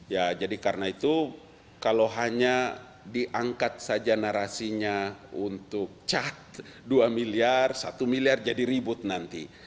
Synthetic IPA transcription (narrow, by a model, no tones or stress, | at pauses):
jad͡ʒadikarnait̪u | kaloɦaɲa | diʔaŋkat̪̚sad͡ʒanaɾasiɲaunt̪ʊk̚t͡ʃat̪̚duamiliarsat̪umiliard͡ʒadiɾibʊt̪̚nant̪i